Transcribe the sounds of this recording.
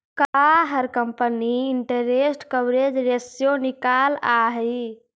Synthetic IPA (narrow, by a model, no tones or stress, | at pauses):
kaɦəɾkəmpəniiɳʈəɾesʈkəbɾed͡ʒɾesjonikalaɦ